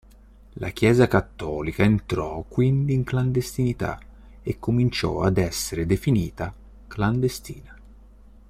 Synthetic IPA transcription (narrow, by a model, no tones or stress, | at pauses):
la̰k̟jɛːzakat̪ːɔːlikaint̪ɾɔkːwind̪iːŋkland̪est̪init̪a̰ | ekːomint͡ʃɔ̰a̰d̪ɛsːeɾed̪efiniːt̪a | kland̪est̪iːna